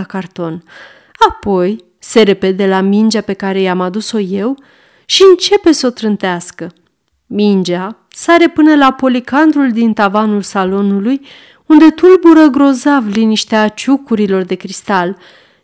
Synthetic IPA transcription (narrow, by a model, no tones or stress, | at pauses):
akart̪o̞n | apo̞j | se̞ɾe̞pe̞d̪e̞lamind͡ʒape̞kaɾe̞jamad̪uso̞je̞w | ʃiɨnt͡ʃe̞pe̞so̞t̪ɾɨnt̪easkə | mind͡ʒa | saɾe̞pɨnəlapo̞likand̪ɾuld̪int̪avanulsalo̞nuluj | und̪e̞t̪ulbuɾəɡɾo̞zavliniʃt̪eat͡ʃukuɾilo̞rd̪e̞kɾist̪al